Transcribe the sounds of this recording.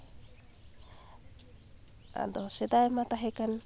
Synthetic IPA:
a̰d̪ɔsɛd̪ajmat̪aɦɛkan

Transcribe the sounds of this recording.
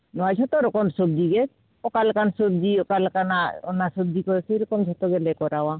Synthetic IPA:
nɔad͡ʒʱɔt̪ɔɾɔkɔmsob̚d̪iɡɛ | ɔkalkansobd̪iɔkalkanaɔnasɔb̚d̪ikɔsejɾɔkɔmd͡ʒʱɔt̪ɔɡɛlɛkɔɾawa

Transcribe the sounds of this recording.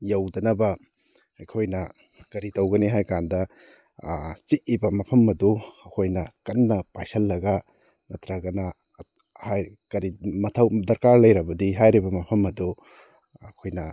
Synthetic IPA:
jɐwdɐnɐbɐ | ɐjkʰojnɐ | kɐɾitɐwɡɐniɦajkandɐ | siʔibɐmɐpʰɐmɐduɐkʰojnɐkɐnːɐpajsɐlːɐɡɐ | nɐtɾɐɡɐnɐ | haj | kɐɾimɐtʰɐwdɐɾkaɾlɐjɾɐbɐdiɦajɾibɐmɐpʰɐmɐdu | ɐkʰojnɐ

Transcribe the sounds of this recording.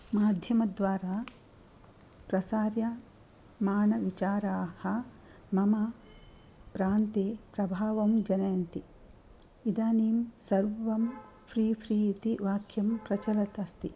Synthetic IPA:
maːd̪ʱjɐmɐd̪ʋaːɾaː | pɾɐsaːɾjɐ | maːɳɐʋit͡ʃaːɾaːhɐ | mɐmɐ | pɾaːnt̪eːpɾɐbʱaːʋɐmd͡ʒɐnɐjɐnt̪i | id̪aːniːmsɐɾʋʋɐm | fʰɾiːpʰɾiːt̪iʋaːkʰjɐmpɾɐt͡ʃɐlɐt̪ɐst̪i

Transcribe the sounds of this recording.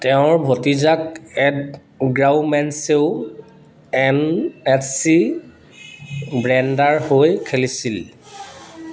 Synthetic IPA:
tɛʊ̃ɹbʱotizak̚ɛd | ɡɹawmɛnseʊ | ɛnɛtsi | bɹɛndaɹhojkʰelisil

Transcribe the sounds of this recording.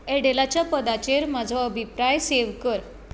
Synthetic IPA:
ɛɽelat͡ɕjapəd̪at͡ɕeɾmad͡zʱɔəbʱipɾajseʋkəɾ

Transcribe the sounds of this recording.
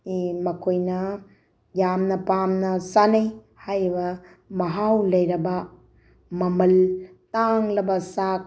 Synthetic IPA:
imɐkʰojnɐ | jamnɐpamnɐsanej | hajɾibɐ | mɐɦawlɐjɾɐbɐ | mɐmɐltaŋlɐbɐsak

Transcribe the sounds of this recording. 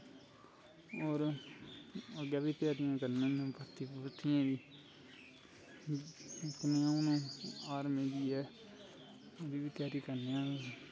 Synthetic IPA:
oːɾ | əɡjaːbiːt̪ɪjaːɾɪjãːkəɾnãːñpət̪ipət̪ʰɪjãːd̪iː | kəneãːʊnãːaːɾmẽːd͡ʒ̪iːɛː | oːɾiːʋiːt̪ɪjaːɾikəɾneːãː

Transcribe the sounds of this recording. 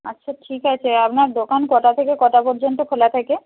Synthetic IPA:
a̰tːɕʰaʈʰikat͡ɕʰeapnaɾd̪okankɔʈat̪ʰekekɔʈapɔɾd͡ʑont̪okʰolat̪ʰeke

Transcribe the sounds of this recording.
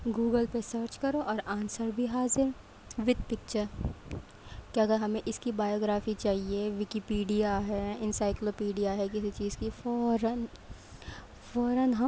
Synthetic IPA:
ɡuːɡəlpesəːɾt͡ʃkɐɾoʔɔːɾãːnsəɾbʱiɦaːzɪɾ | ʋɪd̪̚pɪk̚t͡ʃəɾ | keɐɡəɾɦɐmẽʔɪskibaːjoːɡɾaːfit͡ʃaːɦieʋɪkipiːɖijaɦɛɪ̃nsaːɪkloːpiːɖijaɦɛkɪsit͡ʃiːzkifɔːɾən | fɔːɾənɦɐ

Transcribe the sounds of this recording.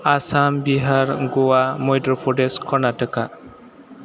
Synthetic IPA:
asambiɦaɾɡowamɔjdɾɔpʰɔɖeskʰɔnaʈəka

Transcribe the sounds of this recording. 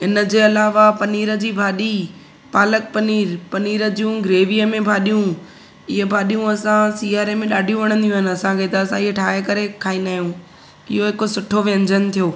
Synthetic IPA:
ɪnəd͡ʑeːɐlaːʋapɐniːɾə̆d͡ʑiːbʱaːɗi | paːlək̚pɐniːɾpɐniːɾə̆d͡ʑijũɡɾeːʋijəmẽbʱaːɗijũ | ɪɦebʱaːɗijũɐsãsiːaːɾemẽɗaːɖʱijũʋɐɽ̃ə̃nd̪ijũːɦɪnɪ̆ɐsãkʰeːt̪aɐsãɪɦeʈʰaːɦekɐɾekʰaːĩnd̪aːɦijũ | ɪɦoɦɪkosʊʈʰoʋẽːɲd͡ʑənɪ̆t̪ʰijoː

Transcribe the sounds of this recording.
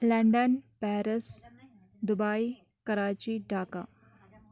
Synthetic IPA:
lɐ̃ɳɖənpɛːɾəs | d̪ʊbaːi | kɐɾaːt͡ʃiɖʱaːkaː

